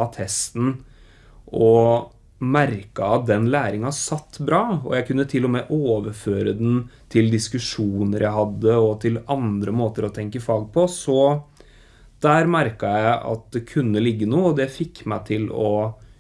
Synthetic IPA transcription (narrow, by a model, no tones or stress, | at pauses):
t̪ʰɛst̪n̩ | ɔ | mæɾkɑɑt̪̚d̪ɛnlæːɾɪŋɑsɑt̪ːbɾɑːɔ̰jæɪkʰʉnːət̪ʰɪlːɔmɛʔoːʋəɾføːɾəd̪ɛn̩t̪ʰɪld̪ɪskʉʂuːnəɾjæɪɦɑd̪ːəɔt̪ʰɪlɑnd̪ɾəmoːt̪əɾɔt̪ʰɛŋkəfɑːɡ̚pʰɔsɔ | d̪̥æːɾmæɾkɑjæɪɪɑ̰t̪̚d̪ɛkʰʉnːəlɪɡːənuːɔd̪ɛfɪkːmæɪt̪ʰɪlɔ